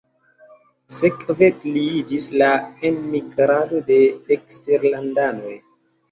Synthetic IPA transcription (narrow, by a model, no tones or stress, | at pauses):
sekvepliid͡ʒislaenmiɡɾado̞de̞eksteɾlandano̞j